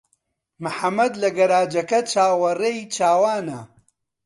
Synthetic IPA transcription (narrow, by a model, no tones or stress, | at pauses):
mɨħɐmːɐd̪lɐɡɐɾaːd͡ʒɐkɐt͡ʃaːwɐrejt͡ʃaːwaːnɐ